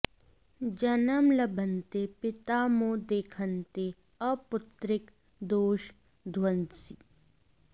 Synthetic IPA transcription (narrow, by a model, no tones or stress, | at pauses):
d͡ʒɐnəmlɐbʱənt̪epɪt̪aːmõːd̪eːkʰənt̪e | ɐpʊt̪ɾɪk | d̪oːʃ | d̪ʱwənd̪si